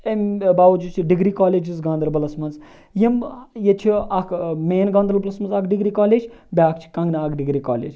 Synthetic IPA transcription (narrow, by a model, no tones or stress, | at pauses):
embaːud͡ʒut͡ʃʰiɖiɡɾiːkaːleːd͡ʒizɡaːnd̪ɾəlbɐlɐsmɐnz | jimjet͡ʃʰiɐkʰmeːnɡaːnd̪ɾɐlbɐlɐsmɐnzɐkɖiɡɾiːkaːleːd͡ʒʲbʲjaːk̚t͡ʃʰi̥kɐ̃ŋɡnɐakɖiɡɾika̰ːlḛːd͡ʒ